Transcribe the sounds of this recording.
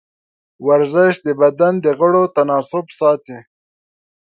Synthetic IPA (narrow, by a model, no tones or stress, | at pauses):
waɾzəʃd̪əbad̪and̪əɣəɽot̪anɑːsʊbsɑːt̪i